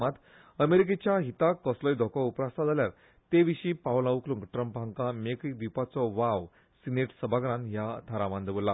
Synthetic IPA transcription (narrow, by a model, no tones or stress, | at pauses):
mat̪ | əmeɾik̬et͡ɕjaɦit̪akɔslɔjd̪ʱɔkɔupɾast̪ad͡zaljaɾ | t̪eʋiɕiːpawlaʋuklũŋɡʈɾəmpɦãŋkãmekik̚d̪ipat͡sɔʋaʋ | sineʈsəbʱaɡɾãnɦjat̪ʰaɾaʋãnd̪əʋulːa